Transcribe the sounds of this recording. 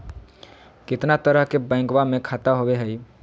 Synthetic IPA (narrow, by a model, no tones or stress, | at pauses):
kɪt̪nat̪əɾəɦkebɛ̃ːŋkwamẽkʰaːt̪aɦoweɦɛi